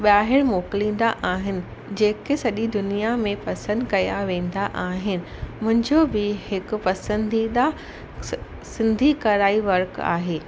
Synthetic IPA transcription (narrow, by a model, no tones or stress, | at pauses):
ɓaːɦɪɽ̃moːklĩːn̆d̪aʔaːɦɪnɪ̆ | d͡ʑeːkesɐʄid̪ʊnijamẽpɐsə̃nd̪kɐjaʋẽːn̆d̪aʔaːɦɪnɪ̆mʊ̃ɦɪ̃ɲd͡ʑoːbɪhɪkʊ̆pɐsə̃nd̪ʱida | sɪ̃nd̪ʱikɐɾaːiʋɐɾka̰ːɦeː